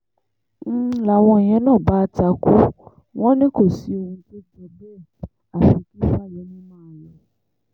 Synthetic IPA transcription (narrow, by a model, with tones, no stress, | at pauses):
la˨w̃ɔ̃˧˨j̃ɛ̃˨˦nãː˦˨ba˦˧ta˧ku˦ | w̃ɔ̃˦nĩ˦ko˦˨si˨˦o˧hũ˧to˦d͡ʒɛ˧bɛ˦˨ | a˨fi˧˦ki˦fa˦˨jɛ˨˦nĩ˦mãː˦˨wɔ̃˨